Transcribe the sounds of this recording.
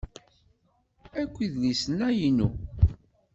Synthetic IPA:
ækʷːiðlisənæjinṵ

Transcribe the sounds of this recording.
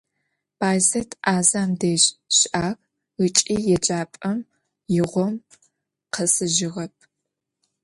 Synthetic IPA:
pʰaːjzɐtʰʔaːzaːmdeːʑɕʔaːk | ɨt͡ʃʼiːjɛd͡ʒaːpʼɐm | jɪʁʷɔm | qʰɐsɨʒɪʁɐp̚ʰ

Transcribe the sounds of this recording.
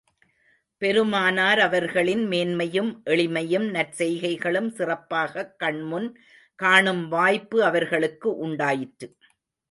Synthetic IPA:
pɛɾɯmaːnaːɾɐʋɐɾɣɐɭɪnmeːnmɐjɯmʔɛɭɪmɐjɯmnɐɾsɛjɣɐɪɣɐɭɯmsɪrɐpːaːɣɐkːɐɳmʊn | kaːɳɯmʋaːjpːɯɐʋɐɾɣɐɭɯkːɯʔʊɳɖaːjɪʈːɯ

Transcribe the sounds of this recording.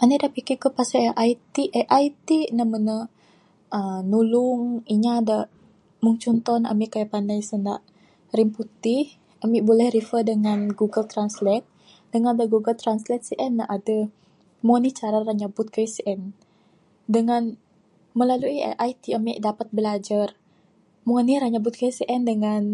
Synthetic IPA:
ʔanidaʔpikikəpasaʔajt̪iʔɛʔajt̪inamənə | ənulʊŋiɲaada | muŋt͡ʃɔnt̪ɔna̰miʔkajapandajsəna̰ʔ | ɾimput̪ɪh | ʔamiʔbolɛhrifədəŋanɡuɡəlt̪ɾanslɛt̪̚ | dəŋanadaɡuɡəlt̪ɾanslɛt̪̚siʔɛnːaʔada | muanit͡ʃaɾaraɲabʊt̪̚kəisʔɛn | dəŋan | məlaluḭʔajt̪iamiʔdapat̪̚bəlad͡ʒar | muaniɾaɲabʊt̪̚kəsiʔɛndəŋan

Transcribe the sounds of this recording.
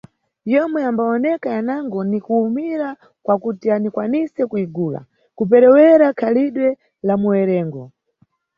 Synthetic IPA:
jɔmwɛambaɔnɛkajanaŋɡɔnikuːmiɾa | kwakutianikwanisɛkuiɡuːla̰ | kup̬ɛɾɛwɛɾakʰaliɗwɛ | lamuwɛɾɛːŋɡɔ

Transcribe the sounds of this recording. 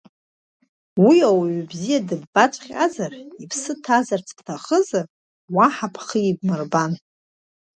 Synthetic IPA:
wiawaɥbzijadɨbːat͡ʃʷʼχʲʼa̰zaripʰsɨtʰazart͡sʰtʰaχəzar | waħapʰχəibmɨrban

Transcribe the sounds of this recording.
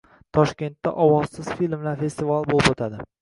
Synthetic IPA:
t̪ʰɒʃkʲe̞nt̪ːa̰ʔɒwɒz̥sɪz̥filmlaɾfe̞st̪ivalˠbolɪbot̪ʰad̪ɪ

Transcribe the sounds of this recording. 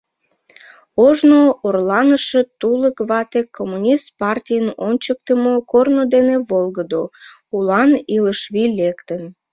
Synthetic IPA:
oʒnoorlɑnəʃet̪uləkβɑt̪ekʰːomːunʲist̪̚pɑrtʲijənonʲt͡ɕək̚t̪əmokornod̪eneβolɣəd̪o | ulɑniləʃβilekt̪ən

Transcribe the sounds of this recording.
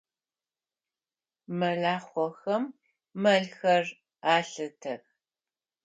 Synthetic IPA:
mɐɮaːχʷɔxɐmː | ɐɮxɐr | aːɬɨtʰɐx

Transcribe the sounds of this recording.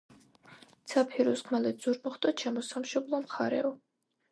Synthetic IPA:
t̪sʰapʰiɾusχʰmalɛd̪z̥uɾmɔχt̪ʼɔʃʰɛmɔsamʃɔblˠɔmχaɾɛ̰ɔ

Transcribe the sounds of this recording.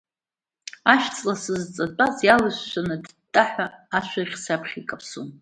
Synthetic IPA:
aʃt͡sʼlasɨzt͡sʼat͡pʼazjalɨʃʷʃʷanɨd | tʼːaħʷaːʃʷʰaχʲsapʰχʲikʼapʰsun

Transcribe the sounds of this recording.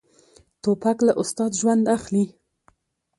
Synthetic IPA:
t̪opaklaʔʊst̪ɑd̪ʒwand̪axli

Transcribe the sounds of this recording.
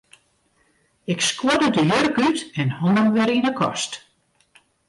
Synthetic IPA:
ɪkskwɔdədəjørkytɛnhoŋəmʋɪɾinəkʰɔ̰st

